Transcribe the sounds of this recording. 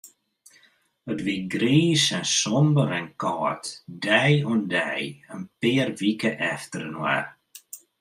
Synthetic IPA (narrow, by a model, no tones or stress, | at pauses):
ətʋiɡɾiːsɛnsɔmbəɾɛnkɔːtdɛjɔndɛjənpɪːrʋikəʔɛftəɾənwa̰r